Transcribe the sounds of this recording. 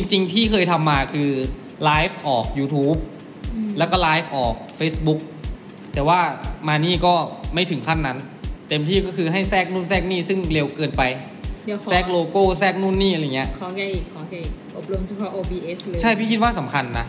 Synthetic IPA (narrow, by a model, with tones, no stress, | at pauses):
t͡ɕi˧ŋt͡ɕi˧ŋt̪ʰiː˥˩kʰɤː˧jt̪ʰa˧mːaː˧kʰɯː˧ | laː˦˥jfʔɔː˨˩k̚juː˧t̪ʰuː˦˥p̚ | lɛː˦˥wkɔː˥˩laː˦˥jfʔɔː˨˩k̚feː˦˥sbu˦˥k̚ | t̪ɛː˨˩waː˥˩maː˧niː˥˩kɔː˥˩ma˥˩jt̪ʰɯ˩˦ŋkʰa˥˩nːa˦˥n | t̪e˧mt̪ʰiː˥˩kɔː˥˩kʰɯː˧ɦa˥˩jsɛː˥˩k̚nuː˥˩nsɛː˥˩k̚niː˥˩sɯ˥˩ŋle˧wkɤː˧npa˧j | sɛː˥˩k̚loː˧koː˥˩sɛː˥˩k̚nuː˥˩nːiː˥˩ʔa˧jŋi˦˥ɐ˧ʔkʰɔ˧kːkʰɔ˧˩kːʔo˨˩p̚lo˧msʰa˧˥pʰɔ˦˥ʔoː˧biː˧ʔe˦˥slːt͡ɕʰa˥˩jpʰiː˥˩i˦˥t̪̚waː˥˩sa˩˦mkʰa˧nːa˦˥